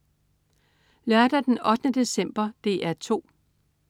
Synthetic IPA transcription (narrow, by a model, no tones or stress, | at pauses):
læɐd̥æd̥enɒ̽d̥ənəd̥e̝sem̰b̥ɐd̥e̝̰ːʔæɐt͡sʰo̝̰ː